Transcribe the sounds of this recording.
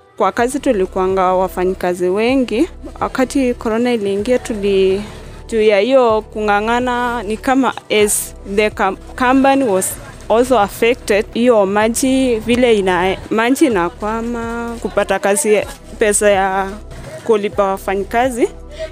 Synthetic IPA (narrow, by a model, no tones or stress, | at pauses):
kwakazitulikuaŋɡawafaɲikaziwɛŋɡiwʔa̰katikɔɾɔnailiːŋɡiatuli | d͡ʒuijahijɔkuŋɡanananikama̰ɛz | ðɛk | kampaniwɔz | ɔls̬oafɛk̚tɛdhijɔmad͡ʒivilɛinamad͡ʒinakwamakupatakazi | pɛsaja | kulipawafaɲikazi